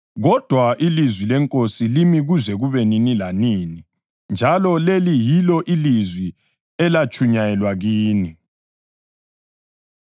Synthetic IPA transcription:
ɣɔd̥ʱwaʔilizwilɛŋkʼosilimiɣuzɛɣuβeninilaniːni | nd͡ʒʱalɔlelijilɔʔilizwi | ɛlat͡ʃʰʼuɲajɛlwaɣiːni

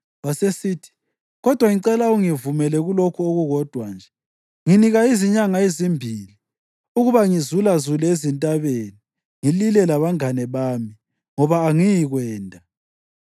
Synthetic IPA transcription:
wasesiːtʰi̥ | ɣɔd̥ʱwaŋiǀɛlauŋivumɛlɛɣulokʰuoɣuɣɔd̥ʱwand͡ʒʱɛ | ŋiniɣaiziɲaŋaezimbʱili | uɣuβaŋizulazulezintʼaβeni | ŋililɛlaβaŋanɛβaːmi | ŋɔβaːŋijiɣwɛːndʱʼa

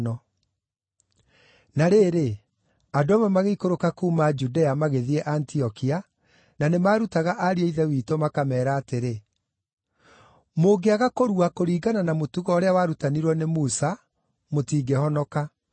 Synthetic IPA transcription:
nɔ | naɾeːɾe | adoamamaɣeikoɾokakuːmad͡ʒudɛamaɣeðiɛʔantiɔkia | nanemaːɾutaɣaʔaɾieiðɛwiːtomakamɛːɾaːteɾe | moɡeaɣakoɾuakoɾiːɡananamotuɣɔːɾeawaɾutaniɾwɔnemuːsa | motiːɡɛhɔnɔka

